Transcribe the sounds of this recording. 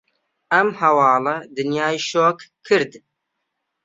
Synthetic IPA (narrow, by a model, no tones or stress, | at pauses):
ɐmhɐwɑːlɐd̪ɨnjaːjʃoːkkʰːɨɾd̪